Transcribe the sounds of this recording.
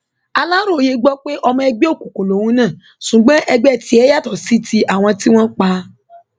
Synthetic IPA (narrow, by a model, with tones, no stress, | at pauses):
a˧la˦ɾo˦˨o˨je˧ɡ͡bɔ˦k͡pe˦ʔɔ˧mɔ̃˧ɛ˧ɡ͡be˦o˦˨ku˨kõ˨lo˨wũ˨˦nãː˦˨ | ʃũ˨ɡ͡bɔ̃˦ʔɛ˧ɡ͡bɛ˦˨ti˨˦ɛ˦ja˦˨tɔ˨si˦tʰi˧ʔa˨w̃ɔ̃˧ti˦w̃ɔ̃˦k͡pa˧